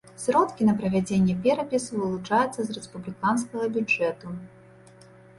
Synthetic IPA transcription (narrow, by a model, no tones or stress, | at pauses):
sɾɔt̪kʲinɐpɾɐvʲad͡zʲenʲːɛpʲɛɾɐpʲisuvɨlˠut͡ʂajut̪sːɐzrɛspublʲikanskɐɣɐbʲud͡ʐɛt̪u